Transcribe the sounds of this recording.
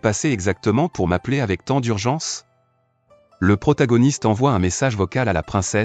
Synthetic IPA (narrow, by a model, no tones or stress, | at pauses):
paseɛɡzak̚t̪əmɑ̃puʁmapleavɛk̚t̪ɑ̃d̪yʁʒɑ̃s | ləpχɔt̪aɡɔnist̪ɑ̃vwaɛ̃mesaʒvɔkalalapχɛ̃sɛ